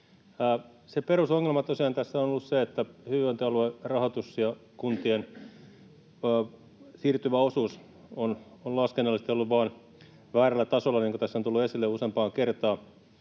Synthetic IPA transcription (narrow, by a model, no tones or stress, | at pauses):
seperusoŋːelmɑt̪osiɑnt̪æsːæonolːusseet̪ːæhyont̪øɑluerɑhot̪usjɑkunt̪ien | siːrt̪yʋæosuːs | ononlɑskenːɑlːˑist̪eolːuʋʋɑːn | ʋæːrælːæt̪ɑsolːɑniːŋkot̪æsːont̪ulːuesilːeusempɑːkert̪ɑː